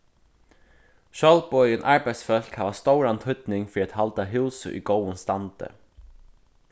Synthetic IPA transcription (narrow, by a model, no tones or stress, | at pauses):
ʃœlbɔʏənʔaɹbæɪsfœl̥khaʋast̪oʊɾant̪hʏt̪nɪŋfɾiːat̪halt̪aɦʉːsə̰ʔḭɡoːwənst̪ant̪ə̰